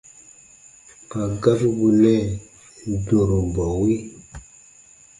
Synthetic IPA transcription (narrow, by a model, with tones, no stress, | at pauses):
ka˨ɡa˦fu˦bu˨lɛ˦˨ | do˨ɾo˨mba˨wi˦